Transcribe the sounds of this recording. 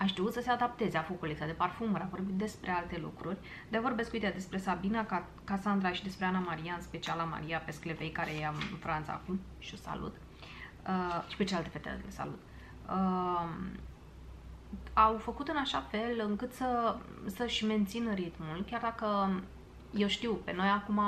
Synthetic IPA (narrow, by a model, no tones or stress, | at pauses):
aʃt̪iut̪səse̞ad̪ap̚t̪e̞zeafokulek̪sad̪e̞parfuməɾavo̞rbit̪̚d̪e̞spɾʔe̞alt̪e̞lṵkɾurʲ | d̪eavo̞ɾrbe̞skuit̪ejad̪e̞spɾe̞sabinaa | kasand̪ɾaʃid̪e̞spɾeanamaɾijaɨnspe̞t͡ʃialama̰ɾijape̞skle̞ve̞jkaɾejejaɨnɨnfɾant̪sa̰ːkum | ʃio̞sa̰lṵt̪ | əʃi̥pe̞t͡ʃealt̪e̞fe̞t̪ḛulesa̰lut̪ | ə | awfəkut̪ɨnaʃafe̞lɨŋkɨt̪səsəʃʲme̞nt̪sinəɾit̪mulkʲjard̪akə | je̞wʃt̪iwpe̞no̞jakuma